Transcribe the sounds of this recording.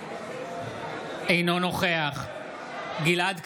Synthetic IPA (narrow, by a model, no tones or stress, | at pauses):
ʔejno̞no̞χe̞aχ | ɡilad̪k